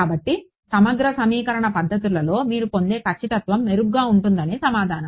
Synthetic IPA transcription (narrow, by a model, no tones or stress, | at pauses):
aːbɐʈːi | sɐmɐɡɾɐsɐmiːkɐɾɐɳɐpɐd̪ʱːɐt̪̬ulɐlo̞ːmiːɾupo̞nd̪e̞ːkʰɐt͡ʃːɐt̪ɐt̪ʋɐmneɾuɡɡaːuɳʈund̪ɐneːsɐmaːd̪ʱaːnɐm